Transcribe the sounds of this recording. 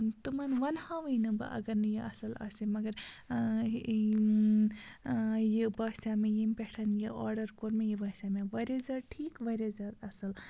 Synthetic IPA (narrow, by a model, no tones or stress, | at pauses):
t̪umɐnʋɐnhaʋɐjnɐbɨ̰ʔɐ̰ɡɐɾnɨjiɐ̰sɐlɐ̰simɐɡɐɾ | jibaːsamejimpeʈʰɐnjiɔːɾɖɐɾkoɾmejibɐːsameʋɐɾezɐɾʈʰiːkʋɐɾezɐɾɐsɐl